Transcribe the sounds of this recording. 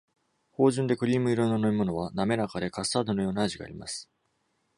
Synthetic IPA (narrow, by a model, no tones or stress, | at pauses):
ho̞ːʑɨ̃nd̪e̞kɯ̟ɾʲiːmɯ̟iɾononoimo̞no̞β̞aname̞nakad̪e̞kasaːd̪ono̞jo̞ːnaːʑiɡa̰ːɾʲimasɨ̥